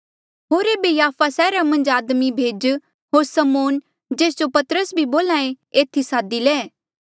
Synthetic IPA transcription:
ɦoːɾeːbejaːpʰasɛːɾamɐ̃nd͡ʒaːd̪mibʱeːd͡ʒ | ɦoːɾsɐmoːn | d͡ʒeːs̬d͡ʒopɐt̪ɾəsbʱiboːlãːẽ | eːt̪ʰisaːd̪ilɛː

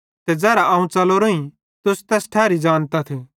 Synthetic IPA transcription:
t̪ɛd͡zɛːɾaɐːũt͡sɐloɾoĩ | t̪ʊst̪ɛːsʈʰɛːɾid͡ʒaːnt̪at̪ʰe

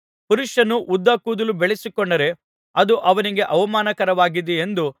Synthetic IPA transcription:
puɾuʂɐnuʔud̪ːɐːkuːd̪ɐlubeɭesikɔɳɖɐɾe̞ | ɐd̪uʔɐʋɐniɡe̞ʔɐʋɐmaːnɐkɐɾɐʋaːɡid̪eend̪u

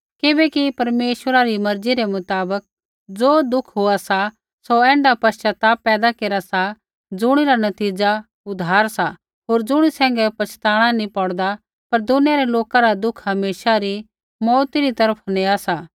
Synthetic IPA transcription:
kɪbɛkipɐɾmeːʃwəɾaɾimɐɾd͡ziɾemʊt̪aːbək̚ | d͡zoːd̪ʊkʰɦoasa | soɛ̃ːɳɖapɐt͡ʃat̪aːpːɛːd̪akeːɾasa | d͡zʊɽ̃iɾanɐt̪iːd͡ʒa | ʊd̪ʱaːɾsa | ɦoːɾd͡zʊɽ̃isɛ̃ːŋɡɛpɐt͡ʃʰt̪aːɽ̃anĩpɔɽd̪a | pɐɾd̪ʊnijaɾeloːkãɾad̪ʊkʰɦɐmeːʃaɾi | mɔːt̪iɾit̪ɐɾəpʰneasa

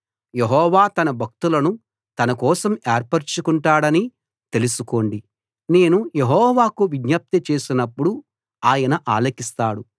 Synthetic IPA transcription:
jeɦɔːʋaːt̪ɐnɐbʱɐk̚t̪ulɐnu | t̪ɐnɐkɔːsɐmeːɾpɐɾt͡ʃukuɳʈaːɽɐni | t̪e̞lusuko̞ːɳɖi | ne̞ːnuje̞ɦɔːʋaːkuʋiɡɲɐp̚t̪it͡ʃe̞ːsinɐpːuɽu | aːjɐnɐʔaːlɐkist̪aːɽu

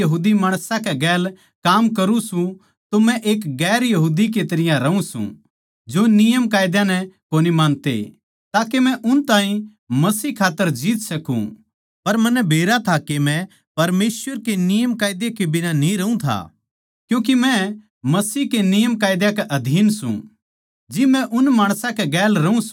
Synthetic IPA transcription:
ɐɦuːd̪imaːɽ̃sãkɛɡɛːl | kaːmkɐɾũsũ | t̪omɛ̃ʔeːkɡɛːɾjɐɦuːd̪ik̬et̪ɐɾɪjãɾɐũsṵ̃ | d͡ʒoːnɪjəmkaːjd̪jãnɛkoːnimaːnt̪ḛ | t̪aːkemɛ̃ʔʊnt̪aːɦĩ | mɐsiːkʰaːt̪ːəɾd͡ʒiːt̪sɐkṵ̃ | pɐɾmɐnɛbʱeːɾat̪ʰakemɛ̃ | pɐɾmeːswəɾkenɪjəmkaːjd̪jekebɪnanĩɾɐũt̪ʰa̰ː | kjũːk̬imɛ̃ | mɐsiːkenɪjəmkaːjd̪jãkɛʔɐd̪ʱiːnsṵ̃ | d͡ʒɪmɛ̃ʔʊnmaːɽ̃sãkɛɡɛːlɾɐũs

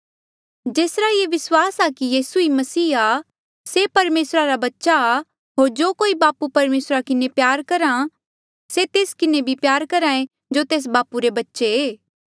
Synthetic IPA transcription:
d͡ʒeːsɾajeʋɪswaːsakijiːsuimɐsiːa | sepɐɾmeːsɾaɾabɐtːʃa | ɦoːɾd͡ʒoːkoːibaːpupɐɾmeːsɾakɪnepjaːɾkɐɾa | set̪eːskɪnebʱipjaːɾkɐɾãːẽ | d͡ʒot̪eːs̬baːpuɾebɐtːʃeeː

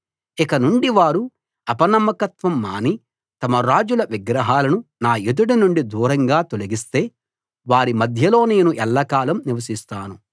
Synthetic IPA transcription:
ikɐnuɳɖiʋaːɾu | ɐpɐnɐmːɐkɐt̪ʋɐmːaːni | t̪ɐmɐɾaːd͡ʒulɐʋiɡɾɐɦaːlɐnunaːed̪uɽɐnuɳɖid̪uːɾɐŋɡaːt̪oliɡist̪e̞ː | ʋaːɾimɐd̪ʱjɐlo̞ːne̞ːnuʔɛlːɐkaːlɐmniʋɐsist̪aːnu

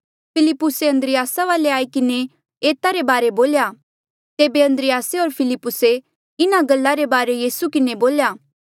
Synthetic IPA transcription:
pʰɪlɪpːʊseɐ̃nd̪ɾɪjaːsaʋaːleaːikɪne | eːt̪aɾebaːɾeboːlja | t̪eːbeɐ̃nd̪ɾɪjaːseoːɾpʰɪlɪpːʊse | ɪnaɡɐlːaɾebaːɾejiːsukɪneboːljaː

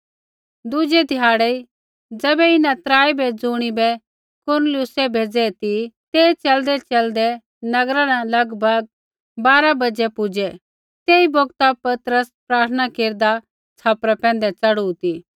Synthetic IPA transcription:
d̪ʊd͡ʒɛd̪ʱɪjaːɽɛi | d͡zɛbɛɪnãt̪ɾaːibɛd͡zʊːɽ̃ibɛ | kʊɾnəlɪʊsɛbʱeːd͡zɛt̪it̪eːt͡ʃɐld̪ɛt͡ʃɐld̪ɛ | nɐɡɾãnalɐɡbʱɐɡ̚ | baːɾabɐd͡ʒɛpʊd͡ʒɛ | t̪eːiboɡt̪apɐt̪ɾəspɾaːɾt̪ʰənakeːɾd̪a | t͡sʰaːpɾapɛ̃ːn̆d̪ɛt͡sɐɽut̪i

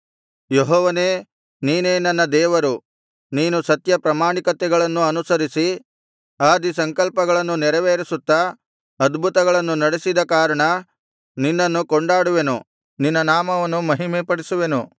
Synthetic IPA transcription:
jeɦɔːʋɐneː | niːne̞ːnɐnːɐd̪ɛːʋɐɾu | niːnusɐt̪jɐpɾɐmaːɳikɐt̪ɛɡɐɭɐnːuɐnusɐɾisi | aːd̪isɐŋkɐlpɐɡɐɭɐnːunɛɾɐʋeːɾisut̪ːɐ | ɐd̪bʱut̪ɐɡɐɭɐnːunɐɽesid̪ɐkaːɾɐɳɐ | ninːɐnːukoɳɖaːɽuʋe̞nu | ninːɐnaːmɐʋɐnːumɐɦimɛːpɐɽisuʋenu

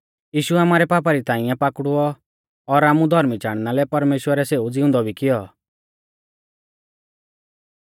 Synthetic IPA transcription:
jiːʃuaːmaːɾɛpaːp̬aɾit̪ãːɪ̃ɛ̃paːkɽuɔ | ɔɾaːmud̪ʱɔɾmit͡ʃaːɽ̃nalɛpɐɾmeːʃwəɾɛseːud͡zɪʊ̃nd̪ɔbʱikɪjɔ

